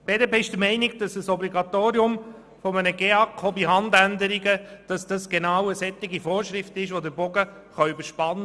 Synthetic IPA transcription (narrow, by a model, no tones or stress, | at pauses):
b̥eːdɛpeːɪʃd̥əmɛɪnɪiɡ̚d̥ɑsəsɔbliɡɑt̪oːɾiʊm | fɔmənəɡeɑkʰɔbiɦɑndændəɾiɡəd̥ɑsd̥ɑsɡ̥enɑːwəsɛt̪ːɪɡifoːɾʃɾɪftɪʃʋod̪əɾbɔɡə | χœybəʃpɑnː